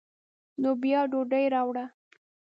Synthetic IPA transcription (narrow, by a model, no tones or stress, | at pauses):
nobjɑɖoɖəjɾɑwɽa